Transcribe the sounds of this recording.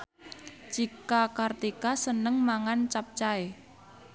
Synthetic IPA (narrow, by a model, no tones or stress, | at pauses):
t͡ʃikakart̪ikasənəŋmaŋant͡ʃap̚t͡ʃae